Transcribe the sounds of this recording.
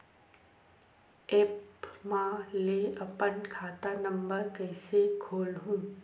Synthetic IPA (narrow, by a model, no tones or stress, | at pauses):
eːpmãleɐpənkʰaːt̪anə̃mbəɾkəɪsekʰoːlɦũː